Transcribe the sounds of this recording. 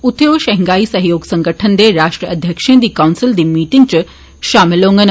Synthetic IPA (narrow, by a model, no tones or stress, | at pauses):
ut̪ʰejoʋʃɐɦiŋɡaisɐɦjoːɡsə̃ŋɡəʈʰənd̪eɾaʂʈɾəʔəd̪ʱjəkʂẽnd̪iːkawnsild̪iːmiːʈiŋɡt͡ɕə | ʃamlõŋɡən